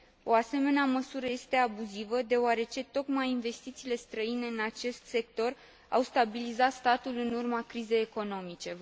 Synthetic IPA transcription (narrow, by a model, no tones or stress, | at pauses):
o̞ase̞me̞neaməsuɾəje̞st̪e̞abuzivəd̪e̞oaɾe̞t͡ʃe̞t̪o̞kmajinve̞st̪it̪siːle̞st̪ɾəine̞ɨnat͡ʃe̞st̪se̞k̚t̪o̞r | a̰wst̪abilizat̪st̪at̪ulɨnurmakɾize̞jeko̞no̞mit͡ʃe̞